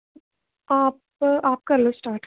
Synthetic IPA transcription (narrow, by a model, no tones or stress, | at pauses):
aːp | aːp̚kɐlosʈaːɾʈ